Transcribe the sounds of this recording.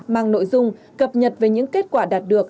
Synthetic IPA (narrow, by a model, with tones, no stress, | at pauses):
maː˨˩ŋno̰˧˨jzʊ˧ŋ͡m | kə˨˩p̚ɲə˨˩t̚ve˨˩ɲɨ̰˧˥ŋke˦˥t̚kwaː˧˩ɗaː˨˩t̚ɗɨ˨˩ək̚